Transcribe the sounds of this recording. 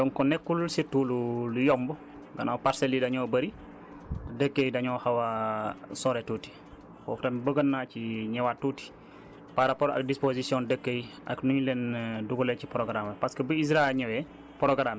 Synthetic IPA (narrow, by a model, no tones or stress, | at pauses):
dɔnkɔnɛkːulsituːlulujɔmbu | ɡɐ̰nawpaɾsɛlidɐɲɔːbɐɾi | tɐdəkːejdɐɲɔhɐwɐsɔɾɛtuːti̥ | bɔ̰ftɐmbəɡənːaːciɲɛwatːuti̥ | paɾapɔɾɐ̰k̚dispozisijɔndəkːəjɐ̰knuɲulɛnduɡulɛcipɾɔɡɾamɐpɐskəbəis̬ɾaɛlɲɐwɛ | pɾɔɡɾam